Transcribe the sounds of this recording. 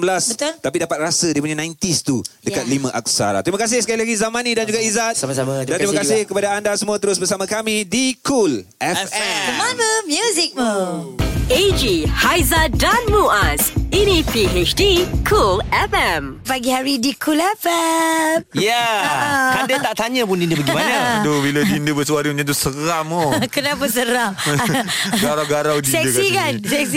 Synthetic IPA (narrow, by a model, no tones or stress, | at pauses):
bəlasət̪apidapat̪̚rasədipuɲanãjnt̪ist̪udəkat̪̚limãʔa̰k̚sa̰ɾa̰t̪ɾiməkas̬ɪhsəkailaɡizamãnidand͡ʒuɡaizat̪̚aaadant̪ɾimaakasɪhkəpadaandasəmũat̪əɾʊsbəsamãkamĩdikʰul | ɛɛəmaməmjuzik̚ | ed͡ʒihajzadãnmuasinipiet͡ʃdikʰulɛfɛ̃m | paɡihaɹidikʰulɛfɛm̚ja | kadət̪aʔt̪aɲəpundindəbəɡimanat̪ubiladindəbəsəwaɾiɲãt̪usəɾamokənapas̬əɾa | ɡaɾawɡaɾawdisɛdəkikansɛks̬i